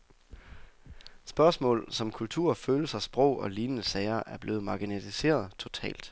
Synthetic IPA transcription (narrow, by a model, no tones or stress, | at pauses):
sb̥ɶɐsmɔ̰̽ːlsɒ̽mkʰult͡sʰuɐ̰føːləsɐsb̥ʁɔʊ̰ɒ̽liːnənəsɛɪɐʔæɐb̥le̝ːð̩ˠmɑ̈ɡ̥inet͡sʰise̝̰ːɐð̞̩ˠt͡sʰo̝t͡sʰɛ̰ːld̥